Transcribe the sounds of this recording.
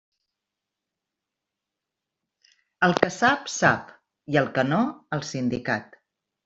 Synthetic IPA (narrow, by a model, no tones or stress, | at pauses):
əlˠkəsapsa̰p | iəlˠkənoəlˠsind̪ikat̪